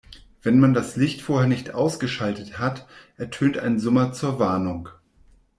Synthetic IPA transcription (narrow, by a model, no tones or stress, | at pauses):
v̥ɛnmandaslɪçtfoːɐheːɐnɪçtʔa̰ʊsɡ̥əʃaltəthatʔɛɐtʰøːnta̰ɪnzɔmɐt͡suːɐvaɐnʊŋ